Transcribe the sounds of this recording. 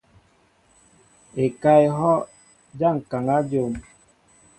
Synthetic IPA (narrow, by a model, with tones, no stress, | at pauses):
e˨ka˦e˨ɦɔ˦ | d͡ʒa˦˨ŋ̩˨ka˨ŋa˦d͡ʒo˨m